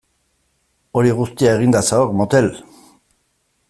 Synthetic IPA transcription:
o̞ɾiɣust̪iae̞ɣind̪asaoekmot̪e̞l

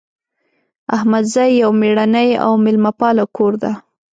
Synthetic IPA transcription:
ahmad̪zajːawmeɽanaja̰wmɪlmapɑlakʰoɾd̪a

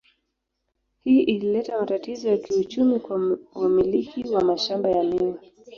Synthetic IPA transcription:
hiːʔililɛtamatatizɔjakiut͡ʃumikwwamilikiwamaʃambajamiwi

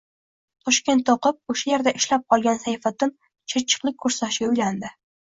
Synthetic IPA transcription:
t̪ʰɒʃkʲe̞nt̪ːɒqɨp̚oʃajeɾd̪aʔɪʃlap̚qʰɒlˠɡʲansajfat̪ːɪn | t͡ʃʰeɾt͡ʃʰɨ̥qlˠɪk̚ʲkʰːɵɾsaʃɪɡʲaʊjland̪ɪ

